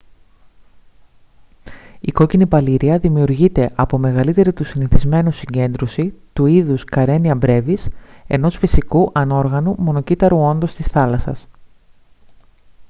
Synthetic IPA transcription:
iko̞cinipɐliɾiɐðimiuɾʝit̪e̞ʔɐpo̞me̞ɣɐlit̪e̞ɾit̪usiniθizme̞nusiɲɟe̞nd̪ɾosit̪uiðuskɐɾe̞niɐbɾe̞vise̞̰no̞sfisikuʔɐno̞ɾɣɐnumo̞no̞cit̪ɐɾuo̞nd̪o̞st̪isθɐlɐsɐ̰s

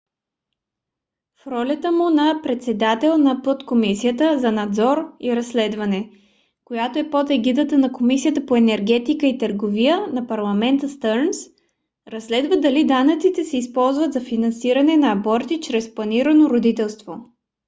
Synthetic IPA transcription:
fɾɔlʲət̪əmunɐpɾɛt̪sɛd̪at̪ɛlˠnɐpət̪komisiət̪əzɐnɐd̪zɔɾiɾɐsːlɛd̪vɐnɛ | kojat̪oɛpot̪ɛɡid̪ət̪ənɐkomisijət̪əpoɛnɛɾɡ̟ɛt̪ikəit̪əɾɡovijənɐpɐɾlˠɐmɛnt̪əst̪əɾns | ɾɐsːlɛd̪vəd̪ɐlid̪anət̪sit̪ɛsɛispɔlˠzvəd̪zɐfinɐnsiɾɐnɛnɐːbɔɾt̪it͡ʃɾɛsplˠɐniɾənoɾod̪it̪ɛlˠst̪vo

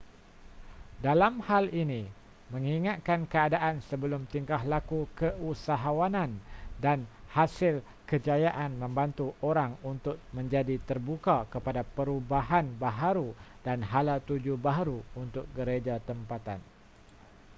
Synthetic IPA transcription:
dalamhalinĩ | mə̃ŋiŋat̪̚kankəadaʔansəbəlʊmt̪iŋkaɦlakukəusaɦawanãndanhasɪl | kəd͡ʒajaʔanmə̃mbant̪uʔoɾaŋunt̪ʊk̚mə̃ɲd͡ʒadit̪ərbukakəpadapəɾubaɦanbaɦaɾudanɦalat̪ud͡ʒubaɦaɾuunt̪ʊk̚ɡəɾed͡ʒat̪əmpat̪a̰n

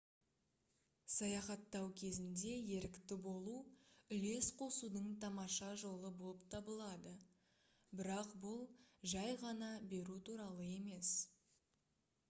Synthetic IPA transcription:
sɑjɑχɑt̪ːɑwkʲʰe̞zɪnd̪e̞je̞ɾɪkt̪ɪbo̞lˠuʏle̞sqʰo̞sud̪əɴt̪ʰɑmɑʃɑʒo̞lˠəbo̞lˠəp̚t̪ʰɑbəlˠɑd̪ə | bɪɾɑqbʊlˠʒɑjʁɑnɑbe̞ɾut̪ʰuɾɑlˠəe̞me̞s

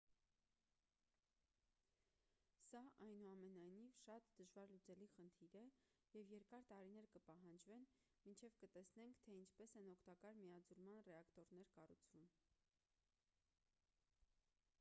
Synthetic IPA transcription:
sɑʔɑjnuɑmɛnɑjnivʃɑt̪d̪əʒvɑɾlut͡sɛliχənt̪ʰiɾɛ | jɛvjɛɾkɑɾt̪ɑɾinɛɾkəpɑɦɑnd͡ʒvɛn | mint͡ʃʰɛvkət̪ɛsnɛŋkʰt̪ʰɛint͡ʃʰpɛsɛnɔkʰt̪ɑkɑɾmiɑd͡zuɾmɑnrɛɑkt̪ɔɾnɛɾkɑrut͡sʰvum

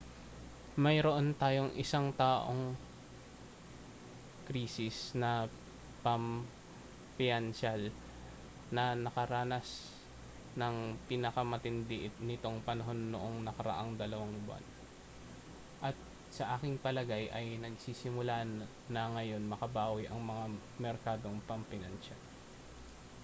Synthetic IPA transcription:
mɐjɾo̞ʔo̞nt̪aːjo̞ŋʔɪ̰saŋt̪aːʔo̰ŋ | kɾiːsɪsnɐ | pɐm | pɪɐnʃal | nɐnɐkɐɾaːnɐs | nɐŋpinɐkɐmɐt̪ɪnd̪ɪʔɪnɪt̪o̞ŋpɐnɐɦo̞nːoʔo̞ŋnɐkɐɾɐ̰ʔaŋd̪ɐlɐwaŋbʊa̰n | ʔɐt̪̚ | sɐʔaːkɪŋpɐlɐɡajʔɐjnɐɡsiːsɪmʊlanː | ɐŋɐjo̞nmɐkɐbaːwɪʔɐŋmɐŋa | mɛɾkaːd̪o̞ŋpɐmpɪnɐnʃal

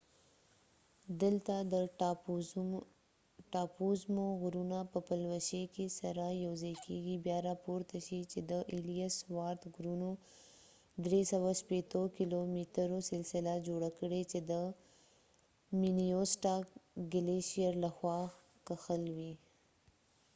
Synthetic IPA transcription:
d̪əlt̪ad̪ə | ʈɑpuzmoɣɾunapəpəlwaʃekesaɾajawzajkeɡibjɑɾapoɾt̪aʃit͡ʃed̪əʔilijaswɑɾt̪ɡɾuno | d̪ɾesawaʃpet̪okilomiʈəɾosɪlsɪlad͡ʒoɽakəɽet͡ʃed̪ə | minijosʈakɡɪleʃijaɾlaxwɑ | kaxəlwi

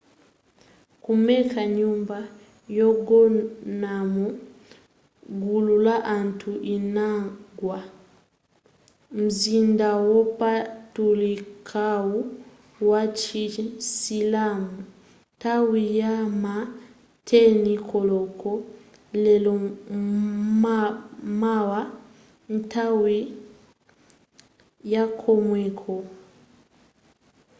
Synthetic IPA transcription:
kumɛkaɲumba | jɔɡɔnamu | ɡululaʔantʰuʔinaɡwa | m̩zindawɔpatulikʰawu | wat͡ʃisilamu | nntawijama | tʰɛnikʰɔlɔkʰɔ | lɛlɔ | m | mawa | n̩tʰawi | jakʰɔmwɛkʰɔ

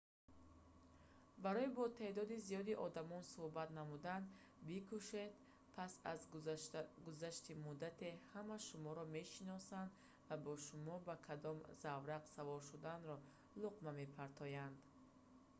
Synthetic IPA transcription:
baɾɔibɔt̪ʰe̞d̪ɔd̪izijɔd̪iʔɔd̪amɔnsuhbat̪namud̪and̪ | bikʰuʃed̪ | pʰasaz | ɡuzaʃt̪imud̪at̪ʰe̞hamaʃumɔɾɔme̞ʃinɔsand̪ | vabɔʃumɔbakʰad̪ɔmzavɾaqsavɔɾʃud̪anɾɔ | luqmame̞pʰaɾt̪ʰɔjand̪

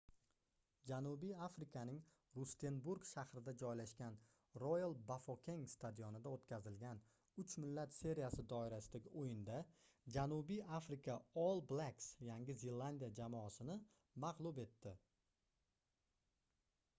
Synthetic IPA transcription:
d͡ʒanʊbijafɾɪkʰanɪŋ | ɾʊst̪ʰe̞nbuɾɡʃahɾɪd̪ad͡ʒɒjlaʃkʲan | ɾojalˠbafokʲʰe̞ŋst̪ʰad̪ijonɪd̪aot̪kʲʰazɪlɡʲan | ʊt͡ʃmɪlːat̪se̞ɾijasɪd̪ɒɪɾasɪd̪aɡʲɪʔojɪnd̪a | d͡ʒanubijafɾɪkʰaolˠblˠaksjaŋʲɪzelˠːand̪ijad͡ʒamɒːsɪnɪ | maqlˠube̞t̪ːɪ

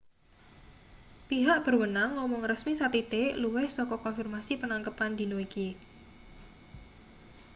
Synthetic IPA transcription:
piɦaʔb̥ərwənaŋːɔmɔŋrəsmisat̪it̪eluwɪhsɔkɔkɔnfirmasipənaŋkəpand̪i̤noiki

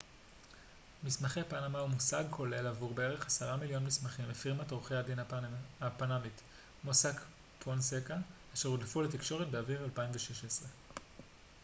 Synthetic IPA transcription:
mismaχeapanamaumusaɡ̚kʰo̞le̞lavuʁbe̞eʁe̞χasaʁamiljo̞nmismaχimefiʁmatʁoχejhadinaapanamit | mosak | pʰonsekaaʃeʁodlefulet̪ikʃo̞ʁ̞et̚beaviʁalpaimveʃeʃesʁe

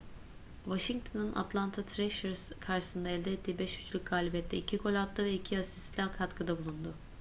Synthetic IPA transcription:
vaʃiŋ̚t̪ʰonɯnʔa̰t̪ʰlˠant̪ʰat̪ʰɾɛʃɛɾz̥kʰaɾʃɯ̥sɯnd̪aɛlʲd̪ɛɛt̪ʰːiːbɛʃjyt͡ʃlʲyc̚ʲɡaːlʲibɛt̪ʰːɛicʰikʰo̞lʲat̪lˠɯvɛicʰiasislʲakʰat̪kʰɯd̪abulˠund̪ʊ

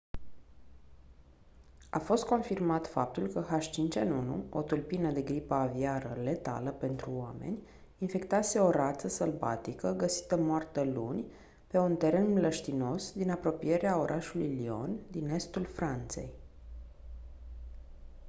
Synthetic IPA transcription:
a̰fo̞st̪̚ko̞nfirmat̪fap̚t̪ulkəɦaʃt͡ʃint͡ʃenunṵo̞̰t̪ulpinəd̪e̞ɡɾipəːviaɾəle̞t̪a̰ləpe̞nt̪ɾuame̞̰nʲ | infe̞kt̪ase̞o̞ɾat̪səsəlva̰t̪ikəɡəsi̥t̪əmoart̪əlunʲ | pe̞unt̪e̞ɾe̞nmləʃt̪ino̞sd̪inapɾo̞pije̞ɾeao̞ɾʔaʃulujlio̞̰nd̪ine̞st̪ulfɾant̪se̞̰j

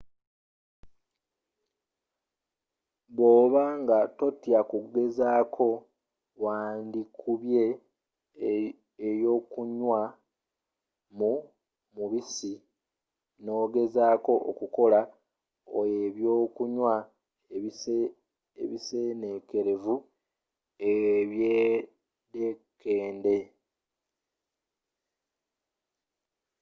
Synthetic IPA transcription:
βo̞ːβaŋɡato̞tjakuɡe̞zaːkʰo̞ | waːndikʰuβje̞ | jo̞ːkuɲwa | mu | muβisi | no̞ːɡe̞zaːko̞ʔo̰kuko̞la | o̰jeβjo̞ːkuɲwa | ḛβise̞ːne̞ke̞ɾe̞vu | eβje | dekːe̞ːnde̞

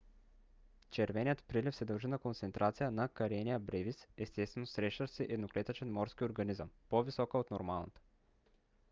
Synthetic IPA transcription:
t͡ʃɛɾvɛnijət̪pɾilifsɛd̪ɐlˠʒinɐkont̪sɛnt̪ɾʔat̪sijənɐkɐɾɛnʲiəbɾɛvisɛst̪ɛst̪vɛnosɾɛʃəsɛʔɛd̪noklɛt̪ət͡ʃɛnmɔɾskʲioɾɡɐnizəmpovisɔkəot̪noɾmalˠnət̪ə̥

